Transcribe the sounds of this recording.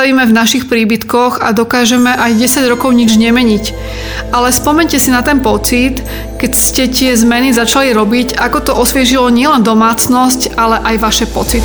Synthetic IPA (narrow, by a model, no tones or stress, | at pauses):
aʋiːmɛvnaʃixpɾiːbit̪kɔɣad̪ɔkaːʒɛmɛʔajɟɛsaɟɾɔkɔʊɲid͡ʒɲɛmɛɲic | ʔalɛspɔmɛɲcɛsinat̪ɛnpɔt͡sit̪ | kɛcscɛt̪ɪɛzmɛnizat͡ʃaliɾɔbicakɔt̪ɔʔɔsʋɪɛʒilɔɲɪɛlɛnd̪ɔmaːt͡snɔs̬calɛʔajʋaʃɛpɔt͡sit̪